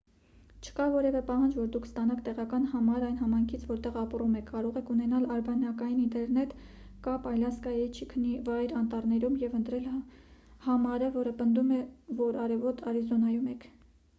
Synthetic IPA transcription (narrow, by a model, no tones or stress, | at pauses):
t͡ʃʰə̥kɑvɔɾɛvɛpɑɦɑnd͡ʒvɔɾd̪ukʰst̪ɑnɑkt̪ɛʁɑkɑn̪hɑmɑɾɑjnɦɑmɑjŋkʰit͡sʰvɔɾt̪ɛʁɑprumɛkʰːɑɾɔʁɛkʰunɛnɑlɑɾbɑnɑkɑjinint̪ɛɾnɛt̪ | kɑpɑjlɑskɑjɛt͡ʃʰəkʰənivɑjɾɑnt̪ɑɾnɛɾumjɛvənt̪ɾɛl | hɑmɑɾəvɔɾəpənd̪umɛvɔɾɑɾɛvɔt̪ʰɑɾizɔnɑjumɛkʰ